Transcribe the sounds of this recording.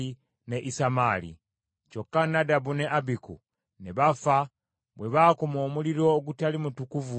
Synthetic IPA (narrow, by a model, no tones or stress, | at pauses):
i | neʔisamalḭ | t͡ʃokːanadabuneʔabikṵ | neβafa | bweβakomoːmuliɾo̞ːɡutalimutukuvu